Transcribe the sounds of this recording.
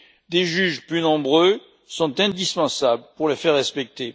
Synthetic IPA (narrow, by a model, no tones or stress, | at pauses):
d̪eʒyʒplynɔ̃bʁø | sɔ̃t̪ɛ̃d̪ispɑ̃sablpuʁlefɛʁːɛspɛk̚t̪e